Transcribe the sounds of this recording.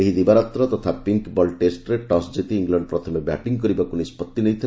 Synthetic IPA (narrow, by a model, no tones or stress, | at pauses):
eɦid̪ibaɾat̪ɾɔt̪ɔt̪ʰapiŋkbɔlʈesʈɾeʈɔsd͡ʒet̪iːŋɡlaɳɖpɾɔt̪ʰɔmeba̰ʈiŋkɔɾibakunispɔt̪ːinejt̪ʰi